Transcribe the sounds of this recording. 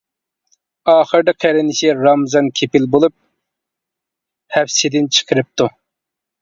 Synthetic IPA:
ɑːχəɾd̪ɨqʰæɾɪnɪʃiɾɑmzɑnkʲʰepɪlbolˠup̚ | hɛpsɪd̪ɪnt͡ʃʰə̥qʰəɾɨp̚t̪u

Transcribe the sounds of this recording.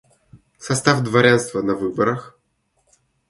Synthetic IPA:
sɐst̪avd̪vaɾʲanst̪vɐnɐvɨbɐɾɐx

